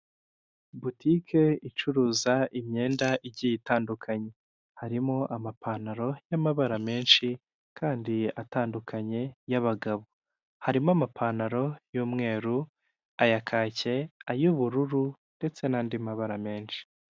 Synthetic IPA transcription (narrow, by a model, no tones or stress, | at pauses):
butikʰe̞it͡ʃuɾuːzaʔimɲe̞ːndaʔiɟijitaːndukʰaɲe̞ | haɾimo̞ʔamapʰaːnaɾo̞jamaβaɾame̞ːnʃi | kʰaːndiataːndukʰaɲe̞jaβaɡaβo | haɾimoamapʰaːnaɾo̞juːmŋe̞ːɾu | ajakʰaːce̞ajuβuɾuɾunde̞t͡se̞naːndimaβaɾame̞ːnʃi̥